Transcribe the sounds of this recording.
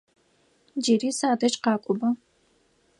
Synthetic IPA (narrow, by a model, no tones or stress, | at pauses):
d͡ʒeːɾiːsaːdɐt͡ʃʼqɑːkʷʼʊbɐ